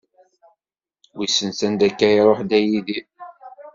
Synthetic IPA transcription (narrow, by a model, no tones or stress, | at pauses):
wisənsænd̪ækːæjɾˤoħd̪æjiði